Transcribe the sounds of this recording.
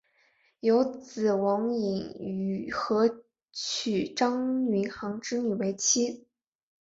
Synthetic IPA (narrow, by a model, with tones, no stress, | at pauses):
jo˧˥ʊt͡sɹ̩˨˩wɑ˧˥ŋi˨˧˩ŋy˨˩xɤ˧˥ | t͡ɕʰy˨˩ʈ͡ʂɑ˥ŋni˧˥nxɑ˧˥ŋʈ͡ʂɻ̩˥ny˨˩we˧˥ɪt͡ɕʰi˥